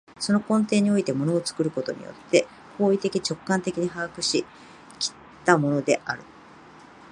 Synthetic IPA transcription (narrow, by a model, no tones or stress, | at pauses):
so̞no̞kõ̞nt̪e̞ːɲ̟io̞it̪e̞mo̞no̞ːt͡sɨ̥kɯ̟ɾɯ̟ko̞t̪o̞̰ɲ̟ḭjo̰t̪ʰːe̞ | ho̞ːit̪e̞kʲit͡ɕo̞kːãnt̪e̞kʲiɲ̟iɦaɡkɯ̟ɕi | kʲi̥ | t̪amo̞no̞d̪e̞̰ʔaɾɯ̟